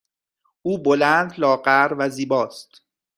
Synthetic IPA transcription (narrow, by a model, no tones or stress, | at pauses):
ʔuːbolænd̪lɒːɢæɾvæziːbɒːst̪